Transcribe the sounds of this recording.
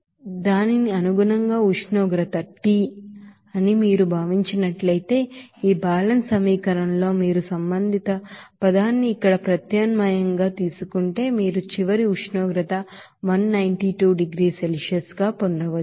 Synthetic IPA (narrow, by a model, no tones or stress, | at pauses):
d̪aːniniɐnuɡunɐŋɡaːut͡ʃɳɔːɡɾɐt̪ɐʈːi | ɐnimiːɾubʱaːʋiɲt͡ʃinɐʈlɐjt̪e̞ːiːbʱaːlɐnsɐmiːkɐɾɐnlo̞ːmiːɾusɐmbɐnd̪ʱit̪ɐpɐd̪aːnːiːkːɐɽɐpɾɐt̪jɐːnmɐjɐŋɡaːt̪iːsukuɳʈe̞ːmiːɾut͡ʃiʋɐɾiut͡ʃnɔːɡɾɐt̪ɐ | ʋɐnːɐjɳʈiʈuːɖiɡɾiːselʂɐsɡaːpond̪ɐʋɐ